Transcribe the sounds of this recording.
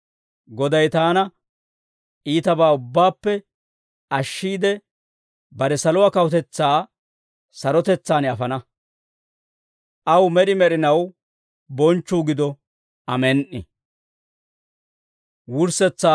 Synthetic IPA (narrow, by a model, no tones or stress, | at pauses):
ɡɔd̪ɐjt̪aːnɐ | iːt̪ɐbaːʊbːaːpːɛ | ɐʃːiːd̪ɛ | bɐɾɛsɐlɔwaːkɐwɔt̪ɛt͡sːaː | sɐɾɔt̪ɛt͡sːaːnɐfɐnɐ | ʔɐwmɛɗɪmɛɾɪnɐw | bɔnt͡ʃːuːɡɪd̪ɔ | ɐmɛnʔɪ̰ | wʊɾsɛt͡sːa